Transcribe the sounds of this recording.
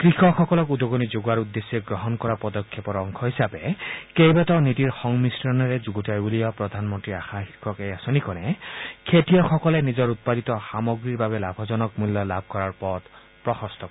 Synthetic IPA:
kɹixɔxɔkɔlɔkud̪ɔɡɔnid͡ʒoɡaɹud̪ːesːɔɡɹɔɦɔnkɔɹapɔd̪ɔkʰːepɔɹɔŋkʰɔɦisabekejbatɔnitiɹxɔŋmisɾɔnɔɹed͡ʒuɡutʰajbulijɔpɹɔd̪ʱanmɔntɹiaxaxikʰɔkejasɔnikɔnɛkʰetijɔxɔkɔlenizɔɹut̪̚pad̪it̪ɔxamɔɡɹiɹbabelabʱɔzɔnɔkmuljɔlabʱkɔɹaɹpɔt̪ | pɹɔxɔst̪ɔk

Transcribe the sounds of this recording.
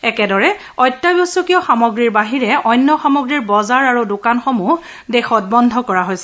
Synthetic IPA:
ɛkɛdɔɹɛ | ɔjtːabɔsɔkijɔxamɔɡɹiɹbaɦiɹɛɔjnːɔxamɔɡɹiɹbɔzaɹaɹudʊkanxɔmu | dexɔt̚bɔndʱɔkɔɹaɦojsɛ̥

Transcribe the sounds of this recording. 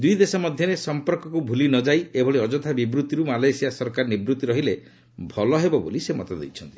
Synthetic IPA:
d̪ujd̪esɔmɔd̪ʱjɔɾesɔmpɔɾkɔkubʱulinɔd͡ʒajebʱɔɭeɔd͡ʒɔt̪ʰabibɾut̪iɾumalajsijasɔɾkaɾnibɾut̪iɾɔɦile | bʱɔlɔɦebɔbo̰lisemɔt̪ɔd̪ḛjt͡ʃʰɔnt̪i̥

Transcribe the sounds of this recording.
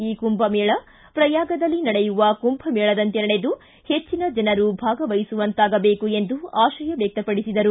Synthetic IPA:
iːkumbɐmɛːɭɐ | pɾɐjaːɡɐd̪ɐlːinɐɽejuʋɐkumpʰɐmɛːɭɐd̪ɐnt̪enɐɽe̞d̪u | he̞t͡ʃːinɐd͡ʒɐnɐɾubʱaːɡɐʋɐjisuʋɐnt̪aːɡɐbe̞ːkue̞nd̪uaːʃɐjɐʋɛk̚t̪ɐpɐɽisid̪ɐɾu

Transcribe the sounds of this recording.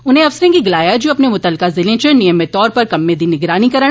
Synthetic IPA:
ʊnẽɐfsɾẽkiɡɪlaːjad͡ʒoɐpnemʊt̪əlkazɪlẽt͡ʃənɪjəmːẽt̪ɔːɾpɐɾkɐmːẽd̪inɪɡɾaːnikɐɾə

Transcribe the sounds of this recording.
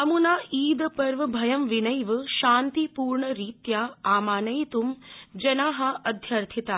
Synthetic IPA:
ɐmunaːiːd̪ɐpɐɾʋɐbʱɐjɐmʋinɐjʋɐʃaːnt̪ipuːɾɳɐɾiːt̪jaːaːmaːnɐjt̪umd͡ʒɐnaːɦɐ̆ɐd̪ʱjɐɾt̪ʰit̪aː

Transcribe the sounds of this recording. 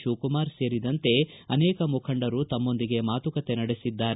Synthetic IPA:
ʃuːkumaːɾse̞ːɾid̪ɐnt̪e̞ɐnɛːkɐmukʰɐɳɖɐɾut̪ɐmːo̞nd̪iɡe̞maːt̪ukɐt̪e̞nɐɽesid̪ːaːɾe

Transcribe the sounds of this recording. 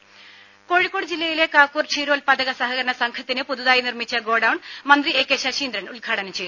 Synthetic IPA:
ko̞ːɻikːoːɽɨd͡ʑilːɐjile̞kaːkːuːrt͡ɕʰiːɾo̞ːlpɐd̪ɐɣɐsɐɦɐɣɐɾɐɳɐsɐŋkʰɐt̪ːinɨpuðuðaːjinirmit͡ɕːɐɡo̞ːɖɐwɳmɐnd̪rieːkːeːɕɐɕiːnd̪ɾɐnulɡʱaːɽɐnɐmt͡ɕe̞j̪

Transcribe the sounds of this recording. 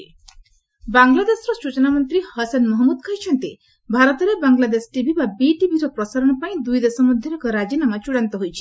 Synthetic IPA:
baŋlad̪esɔɾɔsut͡ʃɔnamɔnt̪ɾihɔsanmɔɦɔmud̪kʰaɦjt͡ʃʰɔnt̪i | bʱaɾɔt̪ɔɾebaŋlad̪esʈibʱibabiʈibʱiɾɔpɾɔsaɾɔɽ̃ɔpaĩd̪ujd̪esɔmud̪ʱjiɾɔkɔɾad͡ʒinamat͡ʃuɽant̪ɔɦojt͡ʃʰi̥

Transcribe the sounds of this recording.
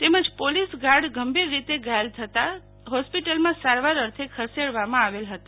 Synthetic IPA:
t̪eməd͡ʒpolisɡaɾɖɡʱəmbiɾːit̪eɡalt̪ʰət̪a | ɦospiʈəlmãsaɾʋaɾəɾt̪ʰekʰəseɽʋamãaʋelɦət̪a

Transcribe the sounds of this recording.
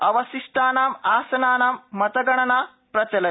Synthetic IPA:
ɐʋɐsiʂʈʰaːnaːmaːsɐnaːnaːmːɐt̪ɐɡɐɳɐnaː | pɾɐt͡ʃɐlɐ

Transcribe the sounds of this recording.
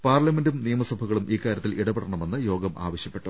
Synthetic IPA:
paːrlɐme̞ndumnijɐmɐsɐbʱɐɣɐɭumʔiːkːaːɾjɐt̪ːiliɽɐpɐɽɐɳɐme̞nːɨjo̞ːɡɐmʔa̰ːʋɐɕjɐpːe̞ʈːu

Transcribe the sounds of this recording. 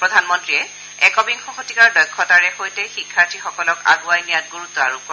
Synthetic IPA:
pɹɔdʱanmɔntɹiɛ | ɛkɔbiŋxɔxotikaɹdɔjkʰːɔtaɹɛxojtɛxikʰːaɹtixɔkɔlɔka̰ɡuajnijat̚ɡuɹut̪ːɔaɹupɔ

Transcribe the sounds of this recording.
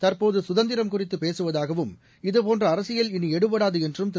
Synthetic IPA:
t̪ɐrpoːðɯsʊðɐnd̪ɪɾɐmkʊrɪt̪ːɯpːeːsɯʋɐðaːɣɐʋɯm | ɪðɯpoːndrɐːɾɐsɪjɐlɪniɛɽɯpɐɽaːðɯɛndrɯmt̪

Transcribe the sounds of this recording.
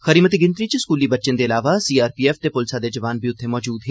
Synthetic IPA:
xɐɾiːmət̪̬iɡɪ̃nt̪ɾit͡ʃiskuːlibɐtːʃɪnd̪eɪlaːʋasiːaːɾpiːɛːft̪epʊlsad̪ed͡ʒɐʋaːnbʱiʊt̪ʰːemɔːd͡ʒuːd̪ɦɛː

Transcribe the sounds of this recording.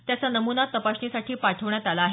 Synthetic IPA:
t̪jat͡sanəmunat̪əpaɕɳisaʈʰiːpaʈʰəʋɳjat̪alaːɦe

